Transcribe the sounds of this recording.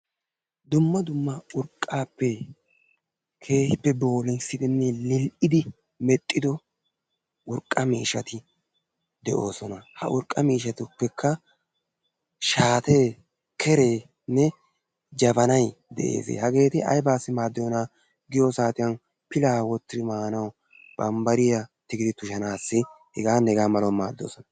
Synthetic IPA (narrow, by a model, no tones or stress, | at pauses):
d̪ʊmːɐd̪ʊmːɐʊɾkʼːaːpːɛ | kʰe̞ːhɪpːɛbo̞ːlɪnsɪd̪ɪnːɛlɪlʔɪd̪ɪ | mɛt̪ʼːɪd̪ɔ | ʔʊɾkʼːɐmiːʃɐt̪ɪ | d̪ɛʔo̞̰ːsɔnɐhɐ̰ʔʊɾkʼːɐmiːʃɐt̪ɪʊpːɛkʰːɐ | ʃaːt̪e̞ː | kʰɛɾe̞ː | nːɛ | d͡ʒɐbɐnɐjd̪ɛ̰ʔḛːsḛːhɐɡe̞ːt̪ɪʔɐ̰jbaːsːɪmaːd̪ːɔjɔnaː | ɡɪjɔsaːt̪ɪjɐn | pɪlaːwɔt̪ːɪɾɪmaːnɐw | b̥ɐmbɐɾɪjɐt̪ɪɡɪd̪ɪt̪ʊʃɐnaːsːɪ | hɛɡaːnːɛɛɡaːmɐlɔmaːd̪ːo̞̰ːsɔnɐ